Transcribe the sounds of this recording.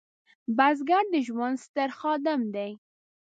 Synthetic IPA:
bazɡaɾd̪əʒwand̪st̪əɾxɑd̪ɪmd̪aj

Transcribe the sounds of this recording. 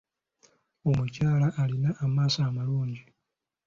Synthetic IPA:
o̞mucaːlaʔːlinaʔːmaːsaːmaluːɲɟi

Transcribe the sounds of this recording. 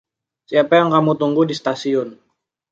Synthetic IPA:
siapajaŋkamut̪uŋɡudist̪asiʊn

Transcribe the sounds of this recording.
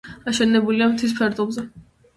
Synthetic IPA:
aʃɛnɛbuliamt̪ʰis̬pʰɛɾt̪ʼɔbzɛ

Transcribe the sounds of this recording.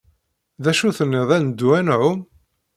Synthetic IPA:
ðæʃuθənːɪðˤænd̪ːuænʕʊm

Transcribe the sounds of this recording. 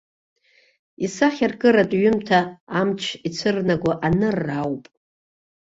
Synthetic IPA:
isaχʲarkʼɨɾatʼɥʏmtʰaːmt͡ʃʷʰit͡sʷʰɨrnaɡʷaʔanɨrːawpʼ

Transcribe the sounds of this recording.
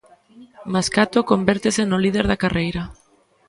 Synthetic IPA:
maskat̪okombɛɾt̪esenʊlið̞eɾðakarejɾɐ

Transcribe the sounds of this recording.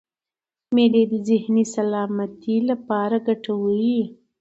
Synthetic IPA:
meled̪əzɪhnisalɑmat̪ilapɑɾaɡaʈawəwi

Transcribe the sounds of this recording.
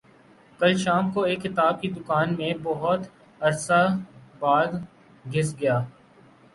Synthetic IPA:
kɐlʃaːmkoeːkːɪt̪aːb̚kid̪ʊkaːnmẽbɐɦʊt̪ | ɐɾsabaːd̪ | ɡʱɪsɡɐjaː

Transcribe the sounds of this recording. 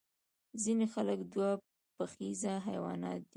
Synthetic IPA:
zinexaləkd̪wa | pəxizaɦa̰jwɑ̰nɑ̰t̪̚d̪i

